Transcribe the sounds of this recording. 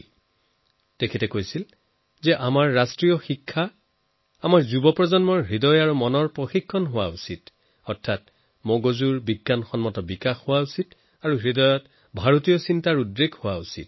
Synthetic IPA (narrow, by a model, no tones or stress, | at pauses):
tekʰɛtɛkojsil | zɛʔamaɹːastɹijɔxikʰːa | amaɹzubɔpɹɔzɔnmɔɹɦɹidɔjaɹumɔnɔɹpɹoxikʰːɔnɦʊwa̰usit | ɔɹtʰːat | moɡozuɹbiɡːanxɔnmɔtɔbikaxhʊwausit | aɹuɦɹidɔjɔt | bʱaɹotijɔsintaɹudɹeɡʱhowausḭt̚